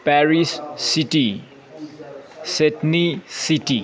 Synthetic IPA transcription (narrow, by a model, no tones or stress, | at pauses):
pɛɾissiʈi | setnisiʈi